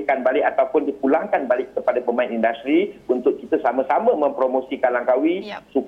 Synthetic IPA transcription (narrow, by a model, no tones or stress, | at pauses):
kanbalɪʔat̪awpʊndikulaŋkanbalɪʔ̚kəpadapəmãɪnindast̪ɾibunt̪ʊʔ̚kit̪əsamãsamə̃mə̃mpɾomosikanlaŋkawisuk